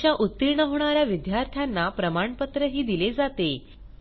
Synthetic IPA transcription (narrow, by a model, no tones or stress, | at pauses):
jaʔut̪ːiɾɳəɦoɽ̃aɾjaʋid̪jaɾt̪ʰjanːapɾəmaɳpət̪ɾəɦiːd̪iled͡zat̪e